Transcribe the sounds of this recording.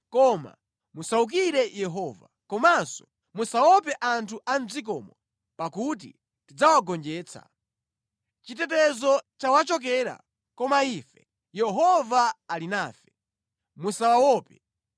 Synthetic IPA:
kɔma̰ | musauk̬iɾɛjɛɦɔːva̰ | kɔmansɔ̥ | musawɔp̬ɛʔantʰuʔam̩zik̬ɔmɔ | pakut̬ḭ | tid͡zawaɡɔnd͡ʒɛːt͡sʰa̰ | t͡ʃitɛt̬ɛzɔt͡ʃawat͡ʃɔk̬ɛɾa̰ | kɔmaifɛ | jɛɦɔvaːlinaːfɛ̥ | musawawɔːpɛ

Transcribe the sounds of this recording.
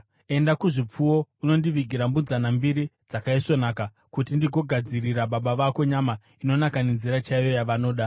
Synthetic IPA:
e̞ndakuʐip͡fuwo̞uno̞ndiʋiɡʱiɾambunzanambiɾi | d͡zakaiʂo̞naːka | kutindiɡo̞ɡʱad͡ziɾiɾaɓaɓaʋako̞ɲama | ino̞nakane̞nziɾat͡ʃaijo̞jaʋano̞ːɗa

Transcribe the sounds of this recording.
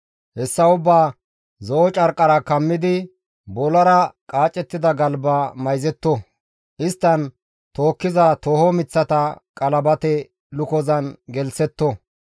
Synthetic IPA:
hɛsːɐʊbːaː | zɔʔɔt͡ʃʼɐɾkʼːɐɾɐkɐmːɪd̪ɪ | bɔlɐɾɐkʼaːt͡ʃʼːɛt̪ːɪd̪ɐɡɐlbaːmɐjzɛt̪ːɔ | ʔɪst̪ːɐn | t̪oːkːɪzɐt̪oːhɔmɪt͡sːɐt̪ɐkʼɐlɐbɐt̪ɛ | lʊkɔzɐnɡɛlsɛt̪ːɔ

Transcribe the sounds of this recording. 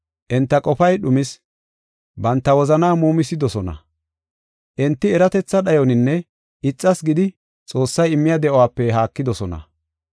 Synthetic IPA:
ʔɛnt̪ːɐkʼɔpɐjɗʊmɪs | bɐnt̪ːɐwɔzɐnaːmuːmɪsɪd̪ɔsɔnɐ̰ | ʔɛnt̪ːɪɛɾɐt̪ɛt͡sːɐɗɐjɔnɪnːɛ | ʔɪt͡sʼːɐsɡɪd̪ɪ | t͡sʼo̞ːsːɐjɪmːɪjɐd̪ɛʔɔwaːpːɛɦaːkːɪd̪ɔsɔnɐ̰

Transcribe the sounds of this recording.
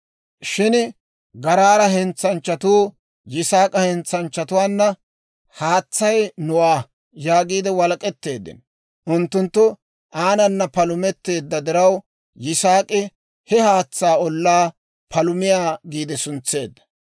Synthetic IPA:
ʃɪn | ɡɐɾaːɾɐɦɛnt͡sːɐnt͡ʃːɐt̪uː | jɪsaːkʼɐhɛnt͡sːɐnt͡ʃːɐt̪ʊwaːnːɐ | haːt͡sːɐjnʊwaː | jaːɡiːd̪ɛwɐlɐkʼɛt̪ːe̞ːd̪ːɪ̰n | ʔʊnt̪ːʊnt̪ːʊ | ʔaːnɐnːɐpɐlʊmɛt̪ːe̞ːd̪ːɐd̪ɪɾɐw | jɪsaːkʼɪ | hɛhaːt͡sːaːɔlːaː | pʰɐlʊmɪjaːɡiːd̪ɛsʊnt͡sːe̞ːd̪ːɐ̥

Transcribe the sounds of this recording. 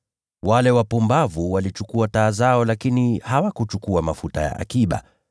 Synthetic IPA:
walɛwapumbavuwalit͡ʃukuataːzaɔlakinihawakut͡ʃukuamafuta̰ja̰ʔa̰kiɓa̰

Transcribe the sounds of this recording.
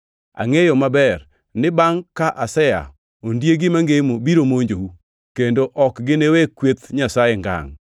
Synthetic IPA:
a̰ŋejɔmabɛr | nɪbaŋkaʔasɛja̰ | ondjeɡɪmaŋɡemobiɾomoɲd͡ʒowu | kendoʔɔkɡɪnewekwet̪ɲasajeŋɡa̰ŋ

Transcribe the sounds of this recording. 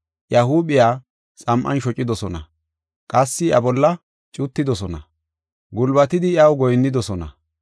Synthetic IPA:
ʔjɐhuːbɪjaː | sʼɐmʔɐ̰nʃɔt͡ʃʼːɪd̪ɔsɔnɐ | kʼɐsːɪɐbɔlːɐ | t͡ʃʼʊt̪ːɪd̪ɔsɔnɐ | ɡʊlbɐt̪ɪd̪ɪjɐwɡɔjnːɪd̪ɔsɔnɐ̰

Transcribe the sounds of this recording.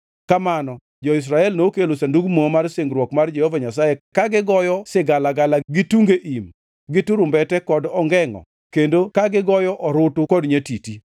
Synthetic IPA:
kamanɔ | d͡ʒɔɪs̬ɾaɛlnokelosanduɡmɔmarseŋɡɾwɔkmard͡ʒɛhovaɲas̬ajekaɡɪɡɔjɔsɪɡalaɡalaɡɪtuŋɡeʔim | ɡɪtʊɾʊmbɛtɛkɔdɔŋɡɛŋɔ̰ | kendokaɡɪɡɔjɔʔɔɾʊtʊkɔdɲetiti

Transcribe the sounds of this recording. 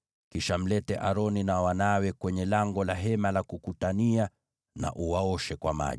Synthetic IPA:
kiʃam̩lɛtɛʔaɾɔninawanawɛkwɛɲɛlaŋɡɔlaɦɛmalakukutania | na̰ʔuwaɔʃɛkwama̰ʄi

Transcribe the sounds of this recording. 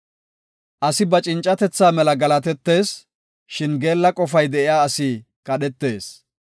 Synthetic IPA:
ʔɐsɪbɐt͡ʃʼɪnt͡ʃʼɐt̪ɛt͡sːaːmɛlɐɡɐlɐt̪ɛt̪ːe̞ːs | ʃɪnɡe̞ːlːɐkʼɔfɐjd̪ɛʔɪjaːɐsiː | kʼɐɗɛt̪ːe̞ːs

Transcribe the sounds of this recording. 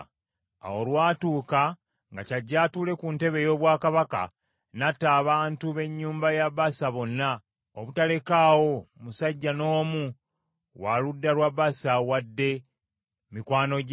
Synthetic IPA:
a̰wolwaːtuːka | ŋɡacaɟːaːtule̞kunte̞βe̞jo̞βwaːkaβaka̰ | natːaːβaːntuβe̞ɲːuːmbajaβasaβo̞nːa | oβutale̞kawo̞musaɟːano̞ːmu | waludːaɾwaβasawadːe̞ | mikwaːno̞ɟ

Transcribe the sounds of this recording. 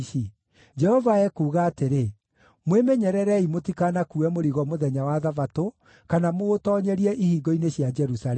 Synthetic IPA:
i | d͡ʒɛhɔvaɛkuːɣaːteɾe | mwemeɲɛɾɛɾɛimotikanakuɛmoɾiɣɔmoðɛɲawaðavato | kanamootɔːɲɛɾiɛʔihiːɡɔineɕjad͡ʒɛɾusalɛ

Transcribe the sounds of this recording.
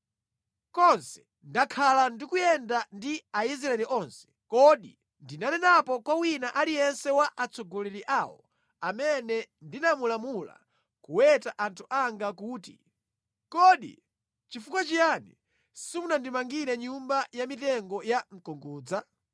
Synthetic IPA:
kɔnsɛ̥ | ndakʰalandikujɛndandiais̬ɾaɛliʔɔnsɛ̥kɔɗi | ndinanɛnapɔkwawinaʔalijɛnsɛwaʔat͡sʰɔɡɔlɛɾiʔaːwɔ̰ | amɛnɛndinamulamula̰ | kuwɛtaʔantʰuʔaŋɡakuːtḭ | kɔɗḭ | t͡ʃifukwat͡ʃijanḭ | simunandimaŋɡiɾɛɲumbajamitɛŋɡɔjaŋ̩kɔŋɡuːd͡za

